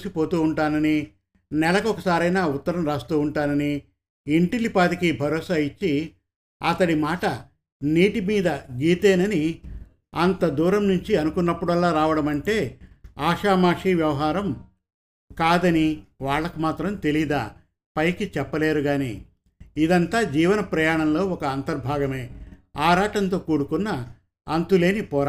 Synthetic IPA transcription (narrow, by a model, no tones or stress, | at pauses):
usipo̞ːt̪uːuɳʈaːnɐni | nɛlɐkɔkɐsaːɾɐjnaːut̪ːɐɾɐmɾaːst̪uːuɳʈaːnɐniː | ɳʈilipaːd̪ikibʱɐɾɔːsaːit͡ʃːi | ɐt̪ɐɽimaːʈɐ | niːʈimiːd̪ɐɡiːt̪eːnɐni | ɐnt̪ɐd̪uːɾɐmnuɲt͡ʃiɐnukunːɐpːuɽɐlːaːɾaːʋɐɽɐmɐɳʈe̞ːaːʂaːmaːʂiːʋjɐʋɐɦaːɾɐm | kaːd̪ɐniʋaːɭːɐkumaːt̪ɾɐmt̪e̞lid̪a̰ː | pɐjkit͡ʃɛpːɐle̞ːɾuɡaːnḭː | id̪ɐnt̪aːd͡ʒiːʋɐnɐpɾɐjaːɳɐmlo̞ːɔkɐːnt̪ɐɾbʱaːɡɐmeːaːɾaːʈɐnt̪o̞ːkuːɽukunːɐː | nt̪ule̞ːnipɔːɾa